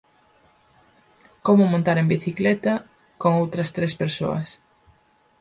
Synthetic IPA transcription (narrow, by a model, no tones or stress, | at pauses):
komʊmõnt̪aɾembiθiklɛt̪ɐ | koŋowt̪ɾɐst̪ɾespeɾso̰ɐ̰s